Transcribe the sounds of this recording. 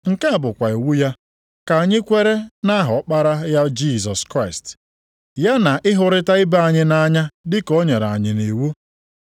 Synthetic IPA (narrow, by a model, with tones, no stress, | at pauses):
ŋ̩˨ka˦a˨bʊ˨kʷa˨i˨wu˦ja˦ | ka˨ɲɪ˦kʷe˦ɾe˦na˦ɦɔ˨˦k͡pa˦ɾa˦ja˦d͡ʒi˦˨sɔ˨skɾa˦˨st | ja˦na˨ʔɪ˦ɦʊ˨ɾɪ˦ta˦ɪ˦ba˦˨a˨ɲɪ˦na˦ɲa˦dɪ˦ko˦ɲe˨ɾa̰˨ɲɪ˨ni˨wu˦